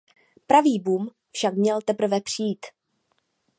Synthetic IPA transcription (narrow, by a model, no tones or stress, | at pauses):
pɾaviːbuːm | fʃakmɲɛlt̪ɛpɾ̩vɛpr̝̥ijiːt̪